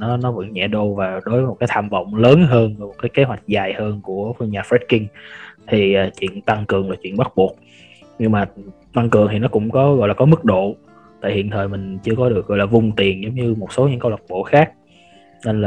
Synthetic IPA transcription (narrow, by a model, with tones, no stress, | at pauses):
nɔ˨˦nɔ˨˦və̰˧˥ŋɲɛ̰˧˥ɗo˧vaː˨˩ɗo˨˦vəːə˨˦mo˨˩t̚aː˨˦t̪ʰaː˧˩mvə̰˧˨wŋ͡mləː˨˦nɦəː˧nvəː˨˦jmo˨˩t̚kaː˨˦jke˨˦ɦwa˨˩jk̟̚zaː˨˩jhəː˧nku˧˩əfə˧ɲaː˨˩fɛ˦˥t̚ki˧ŋt̪ʰi˨˩ʔaː˨˩t͡ɕwḭ˧˨ənt̪a˧ŋkɨ˨˩əŋlaː˨˩t͡ɕwḭ˧˨ənɓa˦˥t̚ɓu˨˩ək̚ | ɲɨ˧ŋmaː˨˩ | t̪a˧ŋkɨ˨˩əŋt̪i˨˩nɔ˨˦kʊ̰˧˥ŋ͡mkɔ˨˦ɣɔ̰˧˨jlaː˨˩kɔ˨˦mɨ˦˥k̚ɗo̰˧˨ | t̪a̰ː˧˨jhḭ˧˨ənt̪ʰəː˨˩jmï˨˩ŋ̟t͡ɕɨ˧əkɔ˨˦ɗɨ˨˩ək̚ɣɔ̰˧˨jlaː˨˩vʊ˨˩ŋ͡mt̪i˨˩ənzə˨˦ŋ͡mɲɨ˧mo˨˩t̚so˨˦ɲɨ̰˧˥ŋkə˧wa˨˩t̚ɓo̰˧˨xaː˦˥k̚ | ne˧nlaː˨˩